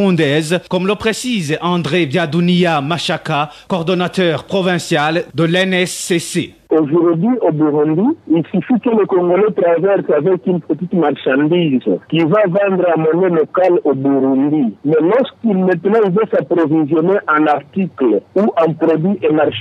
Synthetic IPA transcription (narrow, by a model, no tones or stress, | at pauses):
ũd̪ɛzkɔmləpχesizɑ̃d̪ʁevjad̪uniamaʃakakɔʁd̪ɔnat̪œʁpχɔvɛ̃sjald̪əlɛnɛsːese | oʒuʁd̪ɥiobuʁũnd̪iilsyfikələkɔ̃ŋɡolɛt̪ʁavɛʁsavɛkynpət̪it̪maʁʃɑ̃nd̪izkivavɑ̃nd̪ʁɛ̃mɔnɛlɔkalobuʁũnd̪imɛlɔʁskilmɛ̃t̪nɑ̃ilvasapʁovizjɔneʔɛ̃naʁt̪ikluʔɛ̃pʁod̪ɥiʔemaʁʃ